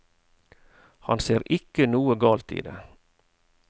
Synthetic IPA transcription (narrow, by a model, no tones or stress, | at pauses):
hɑ̰nseːɾʔɪkənuːəɡɑːlt̪ḭːd̪ḛː